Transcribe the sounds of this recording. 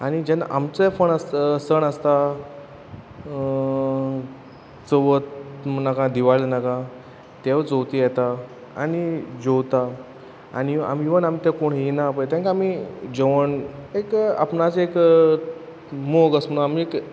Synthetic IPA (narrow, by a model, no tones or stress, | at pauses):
añid͡ʑɛna̰ʔamt͡səfəɳəssəɳəst̪a | t͡səʋət̪nakãd̪iʋaɭnakã | t̪eʋt͡sowt̪ijɛt̪a | a̰nid͡ʑowt̪a | a̰nia̰miʋənamit̪ɛ̃koɳɦinapəjt̪jãŋkaamid͡ʑɔʋəneka̰pnat͡sek | moɡəsm̤əɽũamiek